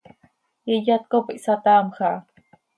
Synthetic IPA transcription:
jəjat̪̚kopəʔsat̪amxa

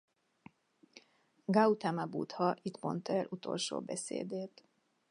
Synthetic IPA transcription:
ɡaut̪amabṵt̪hɒʔit̪mo̞nt̪ɛlʔut̪o̞̰lʃo̰ːbɛsḛːd̪eːt̪

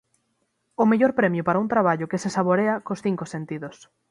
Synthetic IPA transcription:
ʊmeʎoɾpɾɛmjʊpaɾaunt̪ɾaβ̞aʎʊkesesaβoɾeakosθiŋkosent̪iðos

